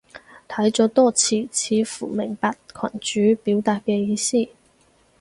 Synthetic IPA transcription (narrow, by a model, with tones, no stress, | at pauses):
t̪ʰɐ˨˥jt͡sɔː˨˥t̪ɔː˥t͡sʰiː˧˩t͡sʰiː˨˧fuː˨˩mɪ˨˩ŋpaː˨˧t̚kʰɐ̰˨˩nt͡ʃyː˨˥piː˨˥wt̪aː˨˧t̚kɛː˧jiː˧siː˥